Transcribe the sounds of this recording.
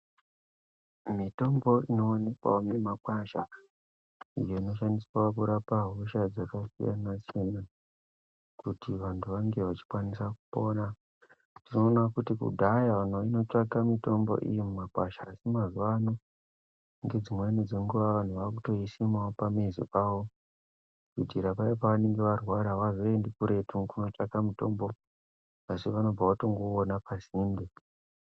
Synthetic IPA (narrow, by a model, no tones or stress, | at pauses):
mito̞mbo̞ino̞ːne̞kwa̰omemakwaʃa̰ | ḭjo̞ino̞ʃandiswaakuɾapaɦoʃad͡zakasḭja̰nasiena | kutiʋantʰuʋaŋɡe̞ʋat͡ʃi̥kwanisakupo̞ːna | tino̞ːnakutikṵdʱajaʋan̤ʋaino̞t͡ʂakamito̞mbo̞̰ʔḭjemumakwaʃaːsimazuʋano | ŋɡe̞d͡zimwe̞nid͡ze̞ŋɡuʋaʋan̤uʋakuto̞isimaopamezḭpawo | kidʱiɾapaipaʋaneŋɡeʋarwaɾaʋazo̞endikuɾe̞tʰukuno̞t͡ʂakamito̞mbo̞ | asiʋano̞baʋato̞ŋɡo̞ːnapasiːmbi